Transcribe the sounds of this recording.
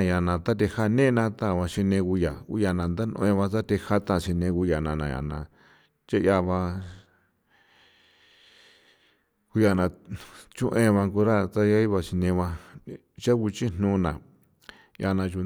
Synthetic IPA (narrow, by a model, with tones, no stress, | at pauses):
ja˨nã˨t̪a˦t̪̬e˧ha˦nẽ˦˧nã˧t̪ã˦˨βã˧ʃi˧nẽ˧ɣu˧ja˨ṵ˧ja˧nã˨nd̪a˦nõ̰˧ẽ˧βã˧t̪a˦t̪e˧ha˦t̪ã˧˨ʃi˧nẽ˧ku˧ja˨nã˧˨nã˨ja̰˨nã̰˨ | t͡ʃe˦ja˧βã˧ | ku˧ja˨nã˨t͡ʃũ˦ʔẽ˧βã˧ku˧ɾa˦t̪a˦ja˦i˦βa˧ʃi˧nẽ˧βã˧ | ʃa˦ku˧t͡ʃi˦n̥nũ˧nã̰˨ | ja̰˧nã˧ʒu˧